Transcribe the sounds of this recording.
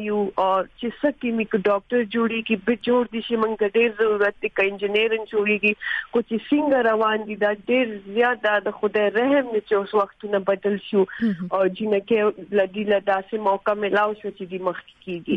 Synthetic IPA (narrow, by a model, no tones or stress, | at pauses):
juɔːɾt͡ʃesəkimikɖɔːk̚ʈəɾd͡ʒuɽiːɡibɪd͡ʒoːɽd̪iʃiməŋɡt̪aɖeːɾzɐɾuɾɐt̪̚d̪ikaɪnd͡ʒɪneɾənd͡ʒoɽiːɡixot͡ʃesiŋɡaɾɐwaːnd̪id̪aːɖeːɾzjaːt̪̚d̪ad̪əxʊd̪aɾɐɦmnet͡ʃeʊswɐxt̪unabɐd̪əlʃuɔːd͡ʒinɐkelad̪ilad̪aːsemɔːkamɪlaːwʃwat͡ʃed̪iməxke̥keːɡi